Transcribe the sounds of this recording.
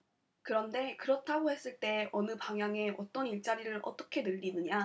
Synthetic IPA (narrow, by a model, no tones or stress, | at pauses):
kɯɾʌnde̞kɯɾʌtʰaɡohe̞s͈ɯɭt͈e̞ʔʌnɯpaŋɦjaŋe̞ʔʌt͈ʌniɭt͡ɕ͈aɾiɾɯɾʔʌt͈ʌkʰe̞nɯʎːinɯɲa